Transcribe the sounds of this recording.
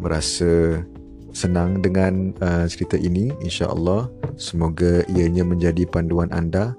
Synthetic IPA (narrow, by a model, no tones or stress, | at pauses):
məɾa̰sa | sənãŋdəŋãnət͡ʃəɾit̪aʔiniinʃa̰ʔə̰lːɑhsəmoɡaijaɲãmə̃ɲd͡ʒadipanduanʔa̰nda